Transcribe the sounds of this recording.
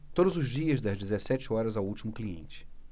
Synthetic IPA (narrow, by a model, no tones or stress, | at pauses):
t̪od̪ʊzʊzd͡ʒiɐzd̪ɐzd͡ʒizesɛt͡ʃɪɔɾɐzawuwt͡ʃimʊkliḛ̃nt͡ʃɪ̥